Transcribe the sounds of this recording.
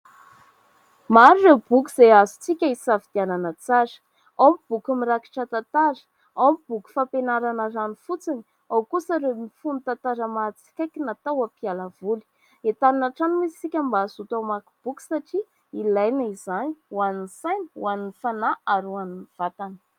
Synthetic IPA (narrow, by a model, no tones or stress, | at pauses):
maɾurewbukuz̥eazut͡sikʲəisavid̪̥iananət͡saɾ̥ | awmib̥ukumiɾaki̥ʈ͡ʂət̪at̪aɾə̥ | awmib̥uku̥fapenaɾanəranifut͡sini̥ | awkusaɾemifunut̪ant̪aɾəmat͡si̥kʲajkinat̪awapialavuli̥ | et̪aninaʈ͡ʂanimizsikʲambaːzut̪awmaku̥b̥uku̥saʈ͡ʂi | ilajnəizaniwaninsajnwaninifanaaɾuaniniv̥at̪anə̥